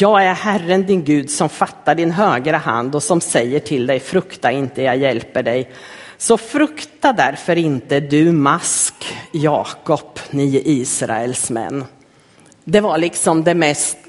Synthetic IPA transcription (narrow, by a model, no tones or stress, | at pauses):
jɑːɡæɾhærːənd̪ɪnɡʉ̟ːd̪sɔmfat̪ːaɖɪnɦøːɡɾəha̰nd̪ɔsɔmsɛjːəʈʰɪld̪ɛjfɾɵkt̪aɾɪnt̪əjɑɡjɛlpəɖɛjsɔfɾɵkt̪ad̪æɾfœɾɪnt̪əd̪ɵmaskjɑːkɔpniːʔiːsɾa̰ɛlsmɛ̰nː | d̪ɛvaɭɪksɔmd̪ɛmɛst̪